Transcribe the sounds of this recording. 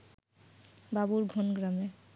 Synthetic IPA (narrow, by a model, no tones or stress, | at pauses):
babuɹɡʱonɡɾame